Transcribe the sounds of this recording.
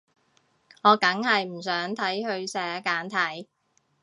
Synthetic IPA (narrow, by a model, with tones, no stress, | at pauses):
ŋɔː˨˧kɐ˨˥ŋhɐ˨jm̩˨˩sœː˨˥ŋt̪ʰɐ˨˥jhɵ˧ɥsɛː˨˥kaː˨˥nt̪ʰɐ˨˥j